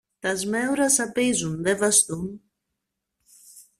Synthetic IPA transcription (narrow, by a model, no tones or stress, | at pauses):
t̪ɐzme̞uɾɐsɐpizunðe̞vɐst̪un